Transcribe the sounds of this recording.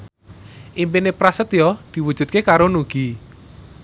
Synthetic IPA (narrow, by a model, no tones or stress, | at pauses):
ʔimpinepɾasət̪jɔd̪̥i̤wud̥ʒ̥ṳt̪̚kekaɾonuɡ̥i